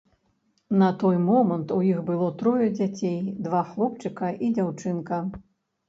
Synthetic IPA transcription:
nɐt̪ɔjmɔmɐnt̪ujixbɨlˠɔt̪ɾɔjɐd͡zʲat͡sʲejd̪vaxlˠɔp̚t͡ʂɨkɐʔid͡zʲawt͡ʂɨnkɐ

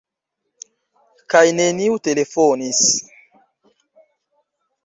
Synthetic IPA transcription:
kajneniutelefonis

